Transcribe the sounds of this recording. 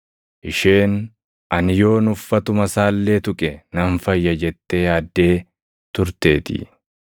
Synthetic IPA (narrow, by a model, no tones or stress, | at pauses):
ʔɪʃeːn | ʔɐnɪjo̞ːnʊfːɐt̪ʊmɐsaːlːeːt̪ʊkʼɛnɐɱfɐjːɐd͡ʒɛt̪ːe̞ːɐːd̪ːe̞ː | t̪ʊɾt̪e̞ːt̪ɪ̰